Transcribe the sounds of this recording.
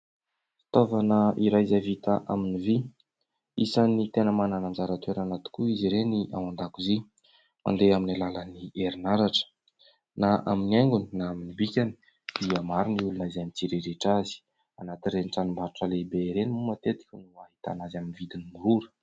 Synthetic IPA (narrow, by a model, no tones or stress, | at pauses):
fi̥t̪ovanəiɾajzavit̪aʔa̰minivi | isanit̪enəmananand͡ʒaɾat̪ueɾanat̪i̥kuiziɾeniʔa̰wand̪akuzi | mʔa̰nd̪eaminalaləniʔeɾinaɾaʈ͡ʂə̥ | naʔaminiaŋɡuni̥naaminibikʲani̥ | d̪̥iəmaɾiniulunazamit͡siɾeɾeʈ͡ʂazi̥ | anat̪irenʈ͡ʂanimbaɾuʈ͡ʂəlebeɾenimumat̪et̪i̥kʲənuaɦit̪a̰nazaminvid̪inimuɾuɾə̥